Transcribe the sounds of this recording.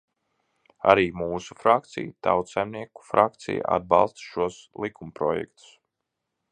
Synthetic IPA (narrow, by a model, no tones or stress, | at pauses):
a̰ɾiːmuːsu̥fɾak̚t̪sḭjt̪awt̪sajmniɛku̥fɾak̚t̪sḭja̰a̰d̪̚bɑlˠst̪ʃuɔslˠikʰumpɾɔjɛ̰kt̪u̥s